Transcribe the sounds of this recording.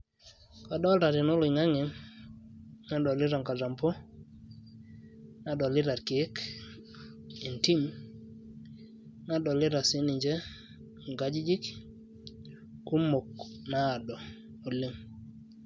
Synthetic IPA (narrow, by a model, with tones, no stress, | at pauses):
kɔ˨dɔ˦lta˨ɾɪ˨no˦lʊ˨ŋa˦ŋɪ˨ŋ | na˦dɔ˨lɪ˦ɾa˨ŋka˨ɾa˨mpɔ˦ | na˨dɔ˨lɪ˦ɾa˨ɾkɪ˨˦k | e˨nti˦m | na˦dɔ˨lɪ˦ɾa˨sɪ˦ni˨ɲd͡ʒɛ˦ | ŋɡa˦d͡ʒi˦d͡ʒi˦k | ku˦mo˨knaː˦˨dɔ˨ | o˨lɪ˦ŋ